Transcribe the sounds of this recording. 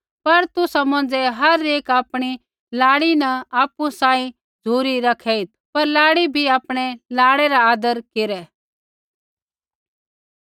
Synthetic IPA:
pɐɾt̪ʊsamɐ̃n̆d͡zɛɦɐɾeːkaːpɽ̃i | laːɽinɐaːpusãːĩ | d͡zʱuːɾiɾɐkʰɛit̪̚pɐɾlaːɽibʱiaːpɽ̃ɛlaːɽɛɾaaːd̪əɾkɪɾɛ

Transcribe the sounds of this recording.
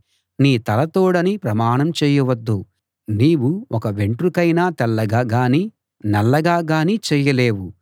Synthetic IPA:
niːt̪ɐlɐt̪oːɽɐnipɾɐmaːɳɐmt͡ʃɛːjɐʋɐd̪ːu | niːwuɔkɐʋe̞ɳʈɾukɐjnaːt̪ɛlːɐɡaːɡaːni | nɐlːɐɡaːɡaːnit͡ʃɛːjɐleːwu

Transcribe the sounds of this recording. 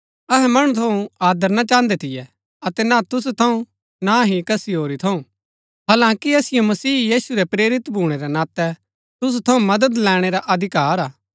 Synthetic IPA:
ɐɦɛmɐɽ̃ut̪ʰɐũaːd̪əɾnat͡ʃãːnd̪ɛt̪ʰɪjɛ | ɐt̪ɛnat̪ʊs̬ut̪ʰɐũ | naɦikɐsiɦoːɾit̪ʰɐũ | ɦaːlãːkiɐsɪjomɐsiːjiːsuɾɛpɾeːɾɪt̪bʱuːɽ̃eɾɛnaːt̪ɛ | t̪ʊs̬ut̪ʰɐũmɐd̪əd̪lɛːɽ̃eɾaʔɐd̪ʱɪkaːɾaː

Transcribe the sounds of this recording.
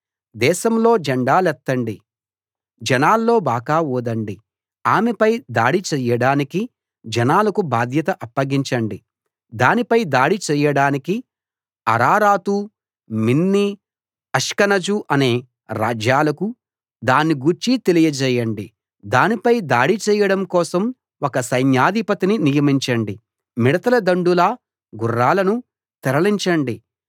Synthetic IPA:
d̪ɛːʃɐmlo̞ːd͡ʒɐɳɖaːlɛt̪ːɐɳɖi | d͡ʒɐnaːlːo̞ːbaːɡaːɔːd̪ɐɳɖi | aːmepɐjd̪aːɽit͡ʃɛːjɐɽaːniki | d͡ʒɛnaːlɐkubaːd̪ʱjɐt̪ɐʔɐpːɐɡiɲt͡ʃɐɳɖi | d̪aːnipɐjd̪aːɽit͡ʃɛːjɐɽaːniki | ɐ̰ɾaːɾaːt̪u | minːi | ɐʂkɐnɐd͡ʒuʔɐne̞ː | ɾa̰ːd͡ʒjaːlɐku | d̪aːnːiɡuɾt͡ʃit̪elijɐd͡ʒɛːjɐɳɖi | d̪aːnipɐjd̪aːɽit͡ʃɛːjɐɽɐmkɔːsɐm | wɔkɐsɐjnjaːd̪ipɐt̪ininijɐmiɲt͡ʃɐɳɖi | miɽɐt̪ɐlɐd̪ɐɳɖulɐ | ɡurːaːlɐnu | t̪ɛɾɐliɲt͡ʃɐɳɖi

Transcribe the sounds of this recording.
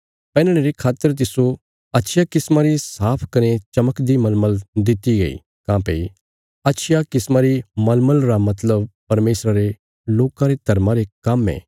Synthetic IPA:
pɛ̃ːnɽ̃eɾekʰaːt̪ːəɾt̪̬ɪso | ɐtːʃʰjakɪsmaɾisaːpʰkɐnet͡ʃɐməkd̪imɐlməld̪ɪt̪iɡɐḭ | kãːpḛi | ɐtːʃʰɪjakɪsmaɾimɐlməlɾamɐt̪ləbpɐɾmeːsɾaɾe | loːkãɾet̪ɐɾmãɾekɐmɛ̰ː

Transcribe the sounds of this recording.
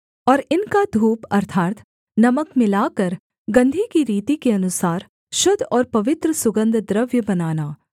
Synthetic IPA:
ɔːɾɪnkad̪ʱuːpɐɾt̪ʰaːt̪ | nɐməkmɪlaːkɐɾ | ɡɐ̃nd̪ʱikiɾiːt̪ikeɐnʊsaːɾ | ʃʊd̪ʱɔːɾpɐʋɪt̪ɾəsʊɡə̃nd̪ʱd̪ɾəʋjəbɐnaːnaː

